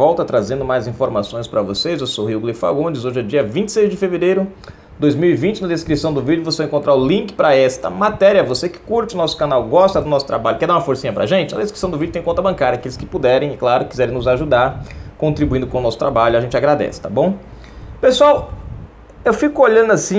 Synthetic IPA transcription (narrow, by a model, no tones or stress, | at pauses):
vɔwt̪ɐt̪ɾazẽnd̪ʊmajzĩfoɾmasõj̃spɾɐvosezewsoɦiuɡlifa̰ɡõd͡ʒɪzoʒɛd͡ʒiɐvĩnt͡ʃɪ̥sejzd͡ʒɪfeveɾejɾʊ | d̪ojzmiwivĩnt͡ʃɪnɐd̪eskɾisɐ̃w̃d̪ʊvid͡ʒʊvosevaẽkõnt̪ɾaɾʊlĩkɪ̥pɾɐɛst̪ɐ̰mat̪ɛɾjɐvosekɪ̥kuɾt͡ʃɪʊnɔsʊ̥kanawɡɔst̪ɐd̪ʊnɔsʊt̪ɾa̰baʎʊkɛd̪aũmɐfoɾsĩɲɐpɾa̰ʒẽnt͡ʃɪnɐd̪eskɾisɐ̃w̃d̪ʊvid͡ʒʊt̪ẽj̃kõt̪ɐbɐ̃kaɾjɐakelɪskɪpud̪ɛɾẽj̃klaɾʊkizɛɾẽnʊzaʒud̪aɾkõnt̪ɾibuĩnd̪ʊkõʊnɔsʊ̥t̪ɾabaʎʊaʒẽnt͡ʃɪaɡɾad̪ɛ̰sɪ̥t̪abõw̃ | pesuaw | ewfikʊoʎɐ̃nd̪ʊasĩ